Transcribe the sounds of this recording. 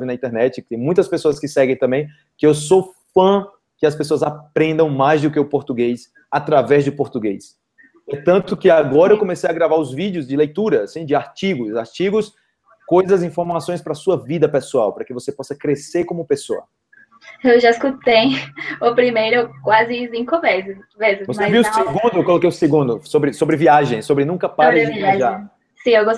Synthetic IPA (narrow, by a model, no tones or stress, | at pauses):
vɪnɐĩnt̪ɛɾnɛt͡ʃɪkɪt̪ẽj̃mũj̃t̪ɐspesoɐskɪsɛɡẽj̃t̪ɐ̃mbẽj̃ | kɪewsofɐ̃ | kɪɐspesoɐzapɾẽnd̪ɐ̃w̃majzd̪ʊkɪʊpoɾt̪uɡejs | at̪ɾavɛzd͡ʒʊpoɾt̪uɡejs | poɾt̪ɐ̃t̪ʊkɪaɡɔɾɐewwkõmesejaɡɾavaɾʊzvid͡ʒiʊzd͡ʒɪlejt̪uɾɐsĩd͡ʒɪaɾt͡ʃiɡʊzaɾt͡ʃiɡʊs | kojzɐzĩfoɾmasõj̃spɾɐsuɐvid̪ɐpesuawpɾɐkɪvosepɔsɐkɾeseɾkõmʊpeso̰ɐ̰ | ewʒaiskut̪ejʊpɾimejɾʊkwazɪzĩj̃kõvɛɾzɪvezɪvosmeaviʊseɡũnd̪ʊewkolokejʊseɡũd̪ʊsobɾɪsobɾɪviaʒẽj̃sobɾɪnũkɐpaɾaʒa | sĩewɡo